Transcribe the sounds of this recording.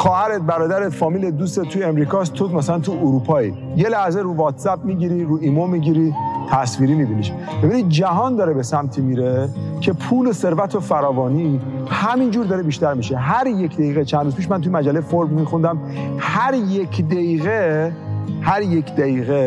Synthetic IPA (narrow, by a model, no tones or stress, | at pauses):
xɒːhæɾed̪̚bæɾɒːd̪æɾefɒːmiːled̪uːset̪ʰːujeemɾiːkʰɒːs̬t̪ʰomæsælænt̪ʰuʔuɾupʰɒːḭ | je̞læhzeɾuːvɒːt̪sæp̚miɟiːɾiɾuːʔimomiɟiɾit̪ʰæsviːɾiːmibiniʃ | b̥ebinid̪̚d͡ʒæɦɒːnd̪ɒːɾebesæmt̪ʰimiɾecʰe̞pʰuːlose̞ɾvæt̪ʰofæɾɒːvɒːnihæmind͡ʒuːɾd̪ɒːɾebiːʃt̪æɾmiʃeɦæɾje̞cʰd̪æeiːɣet͡ʃʰænɾuz̥piːʃ̬mænt̪ujmæd͡ʒælːejfoɾbmixund̪æm | hæɾjecʰd̪eiːɣe | hæɾje̞kʰd̪æiːɣe